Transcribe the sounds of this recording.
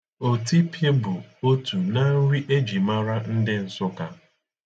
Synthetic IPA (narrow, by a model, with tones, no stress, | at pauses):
o˨ti˦pʰje˦bʊ˨o˦tu˨na˦ɾi˦ʔe˦d͡ʒi˨ma˦ɾa˦n̩˦dɪ˦n̩˨sʊ˦ka˦